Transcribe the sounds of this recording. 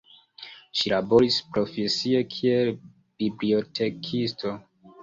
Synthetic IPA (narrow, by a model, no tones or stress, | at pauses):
ʃilabo̞ɾispɾo̞fe̞sie̞kʰiel | b̥iblio̞tʰe̞kʰisto̞